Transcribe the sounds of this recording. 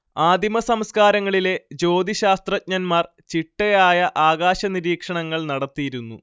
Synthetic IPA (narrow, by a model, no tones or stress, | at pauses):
aːd̪ʱimɐsɐmskaːɾɐŋːɐɭile̞d͡ʑo̞ːd̪iɕaːst̪rɐt̚ɲɐnmaːr | t͡ɕiʈːɐjaːjɐʔaːɣaːɕɐniɾiːkʂɐɳɐŋːɐɭnɐɽɐt̪ːijiɾunːu